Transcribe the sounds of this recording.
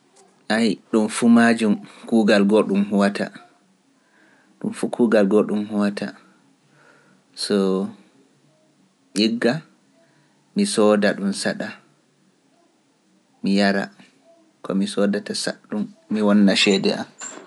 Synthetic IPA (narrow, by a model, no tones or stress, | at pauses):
ʔajɗumfumad͡ʒumkuːɡalɡɔɗumɦuwatʰa̰ | ɗumfukʰuːɡalɡɔɗumhuwatʰa̰ | sɔ | ʔiɡːa | misɔdaɗumsaɗa | mijaɾa̰ | kʰɔ̰misɔdatasa̰ɗumːiwɔnːaʃɛːdɛ̰a̰m